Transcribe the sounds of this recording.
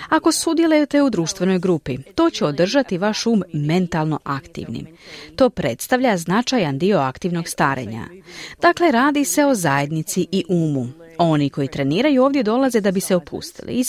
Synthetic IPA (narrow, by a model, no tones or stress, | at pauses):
ako̞sud̪je̞lejut̪e̞ud̪ɾuːʃt̪ʋe̞no̞jɡɾuːpit̪o̞ːt͡ɕeod̪r̩ʒat̪iʋaʃuːmːe̞nt̪alˠno̞ʔakt̪ḭʋnḭmt̪o̞ːpɾe̞t̪st̪aʋʎʲaznat͡ʃajand̪io̞akt̪iʋno̞ɡst̪a̰ːɾe̞̰ɲa̰d̪̥akle̞ɾaːd̪ise̞o̞zaje̞d̪nit̪siʔiʔuːmu | o̞niko̞jit̪ɾe̞niːɾajuo̞ːvd̪je̞d̪o̞laze̞d̪abise̞o̞pʰṵst̪ḭlḭi